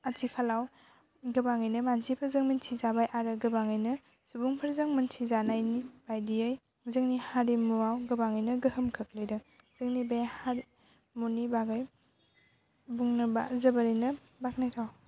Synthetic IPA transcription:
atʰikʰalaw | ɡɯbaŋɯjnɐmansipʰɐɾzɯŋmɐntʰizabajʔaɾɯɡɯbaŋɯjnɐ | subuŋpʰɐɾzɐŋmɐntʰizanajnib̥ajdiaj | zɯŋnihaɾimuawɡɯbaŋɯjnɐɡɯhɯmkʰɯk̚lɯjdɯ | z̥ɯŋnibajhaɾ | munibaɡaj | buŋnɐba̰zɐbaɾijnɐ | bak̚najtʰaw

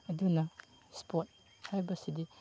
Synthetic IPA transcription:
ɐdunɐ | spʰot̚ | hajbɐsidi

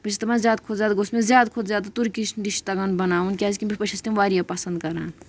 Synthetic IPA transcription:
pɐt͡ʃʰit̪ɐmãnzjaːd̪̚kʰodzjaːd̪ɡosmẽzjaːd̪kʰod̪zʲjaːd̪t̪uɾkiʃd̪iʃt̪ɐɡɐnbɐnaːunkʲaːzkʲimbʲipɐt͡ʃʰist̪imʋaːɾijɐpɐsɐnd̪̚kɐɾa̰ːn

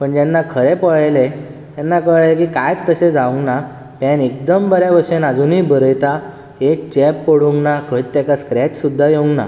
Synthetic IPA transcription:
pəɳd͡ʑanːakʰəɾepəɭajle | t̪janːakəɭlekiːkajt̪ːəɕed͡zaũŋɡna | pɛ̃nek̚d̪əmbəɾjabəɾɕenad͡zuniːbʱəɾəjt̪a | ɦet͡ɕɛpːəɽuŋɡnakʰət̪ːɛkaskɾɛt͡ɕsud̪ʱːajeũŋɡna̰

